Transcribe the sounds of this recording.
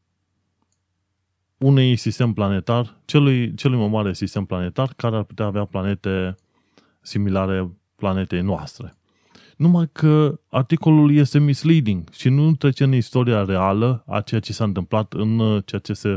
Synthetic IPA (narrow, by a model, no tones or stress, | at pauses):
unejsist̪e̞mplane̞t̪arʲt͡ʃelujt͡ʃe̞lujmajmaɾe̞sist̪e̞mplane̞t̪arkaɾe̞arpu̥t̪eaːveaplane̞t̪e̞ | similaɾe̞ | plane̞t̪e̞jnoa̰st̪ɾe̞ | numajkʰəart̪iko̞lulje̞st̪e̞mislid̪iŋɡʃinut̪ɾe̞t͡ʃeɨnist̪o̞ɾiaɾe̞aləa̰t͡ʃe̞jat͡ʃe̞saɨnt̪ɨmplat̪ɨnt͡ʃe̞jat͡ʃe̞se̞